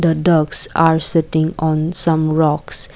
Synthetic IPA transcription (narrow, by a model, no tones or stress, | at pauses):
d̪əɖʌɡsaːɾsɪʈɪ̃ŋɔ̃ːnsʌ̃mɾɔks